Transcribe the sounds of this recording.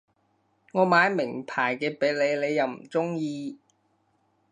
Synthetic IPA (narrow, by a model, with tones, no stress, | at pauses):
ŋɔː˨˧maː˨˧jmɪ˨˩ŋpʰaː˨˩jkɛː˧pe˨˥jle˨˧jle˨˧jːɐ˨˧wm̩˨˩t͡sʊ˥ŋjiː˧